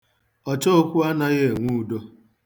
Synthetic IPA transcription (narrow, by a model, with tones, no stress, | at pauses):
ɔ˨t͡ʃɔ˦o˦kʷu˦a˦na˦ɣe˦˨ŋʷu˦u˦do˦